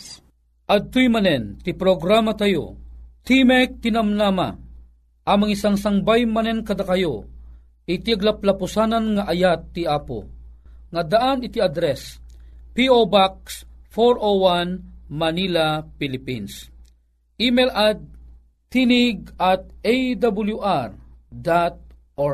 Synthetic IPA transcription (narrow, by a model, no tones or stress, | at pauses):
ʔɐd̪̚t̪ujmanɛnt̪ipɾoɡɾamat̪ajo̰t̪imɛk̚t̪inɐmnama̰ | ʔɐmaŋisaŋsaŋbajmanɛnkɐd̪akɐjo | ɪt̪iaɡlaplapusananŋaʔɐjat̪ːiaːpo̰ŋɐd̪aʔanit̪iad̪ɾɛspiobak̚sfoɾowanmɐnilapilipins | ʔimɛlad̪̚ | t̪ːiniɡ̚at̪̚ejd̪abuljuʔaɾd̪at̪̚ | ɔ